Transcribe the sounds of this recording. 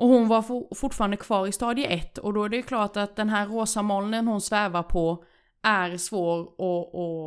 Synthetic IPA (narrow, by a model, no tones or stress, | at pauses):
ʔɔhʊnvaɾffʊʈːfɑːɾand̪əkʰv̥ɑːɾɪst̪ɑːd̪jəʔɛt̪ːɔ̰d̪ɔæɖɛjɵkʰlɑːʈat̪̚d̪ɛnɦæːɾːoːsamɔlnənhʊnsvɛːvaɾpʰɔ | ʔæɾsvoːɾʔɔɔ